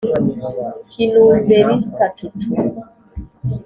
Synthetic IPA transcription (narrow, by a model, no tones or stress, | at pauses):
çinunbeɾiskat͡ʃut͡ʃu